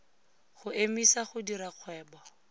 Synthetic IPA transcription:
χʊemisaχʊdiɾaq͡χʰwɛːba

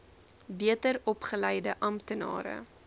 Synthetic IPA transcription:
biətərɔpχəlɛjdəʔɐmtənɑ̰ːɾə̰

